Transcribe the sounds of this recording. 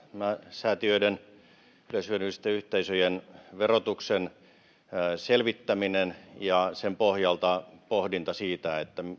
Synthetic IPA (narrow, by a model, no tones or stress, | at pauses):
mæsæːt̪iøiden | ylesyønysi̥t̪ːeyht̪eisøjenʋerot̪uksen | selʋit̪ːæminenjɑsempohjɑlt̪ɑpohdint̪ɑsiːt̪æet̪ːæ